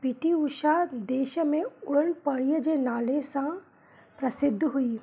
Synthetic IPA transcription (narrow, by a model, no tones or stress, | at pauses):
piʈiʊʃad̪eːʃəmẽʊɽənpɐɽijəd͡ʒenaːlesã | pɾɐsɪd̪ʱːɦʊiː